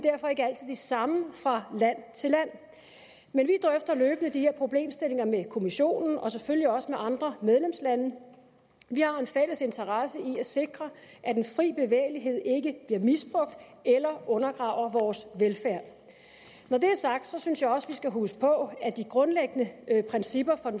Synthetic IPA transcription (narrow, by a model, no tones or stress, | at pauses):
d̥æɐ̰fɒ̽e̝ɡ̥ɐæl̰t͡sʰið̰ˠdisɑ̈məfʁɑ̈læn̰t͡sʰe̝læn̰ | menʋid̥ʁœfd̥ɐløːb̥ənəd̥ihe̝ɐpʰʁo̝b̥le̝̰ːmsd̥e̝le̝ŋɐmekʰo̝miɕo̝̰ːnn̩ɒ̽sefølliɒ̽səmeʔɑ̈nd̥ʁɐmeð̞ˠlemslænə | ʋihɑ̈e̝nfel̰əse̝nt͡sʰɐʁɑsəiæse̝ɡ̥ʁɐʔæd̥enfʁḭːb̥e̝ʋḛːɪliɦe̝ð̞̰ˠe̝ɡ̥əb̥liɐmisb̥ʁɔ̽ɡ̥̚d̥ | elɐʔɔ̽nɐɡ̥ʁɑ̰̈ʊ̰ɐʋɒːsʋelfæɐ̰ | nɒd̥e̝æɐsɑ̈ɡ̥̚d̥sɒ̽synsjɑ̈ɒ̽sʋisɡ̥æɦusə̥pʰɒ̽æd̥iɡ̥ʁɔ̽nleɡ̥ənəpʰʁɛnsib̥ɐfɒ̽